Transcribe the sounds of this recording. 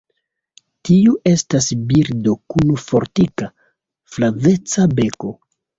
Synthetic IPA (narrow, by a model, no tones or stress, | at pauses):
tiuʔe̞stasbiɾdo̞kunufo̞ɾtika | flave̞t͡sabe̞ko̞